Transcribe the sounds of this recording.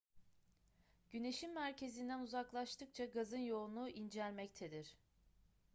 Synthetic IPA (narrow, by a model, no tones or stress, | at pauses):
ɟ̥yne̞ʃimːæɾcʰe̞zind̪ænuzaklˠaʃt̪ʰɯk̚t͡ʃʰaɡazɯnjo̞lˠunuʔind͡ʒælʲmɛct̪ʰed̪iɾ̥